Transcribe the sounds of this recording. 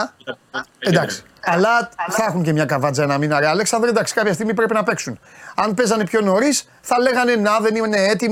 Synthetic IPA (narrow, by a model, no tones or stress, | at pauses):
end̪ɐksi̥ | ɐlɐθɐxuɲce̞mɲɐkɐvɐd͡zɐenɐminɐɾeɐle̞ksɐnd̪ɾnd̪ɐksi̥kɐpçɐst̪iɣmipɾe̞pinɐpe̞ksunɐnpe̞zɐnepço̞no̞ɾis | θɐle̞ɣɐne̞nɐðe̞nine̞et̪i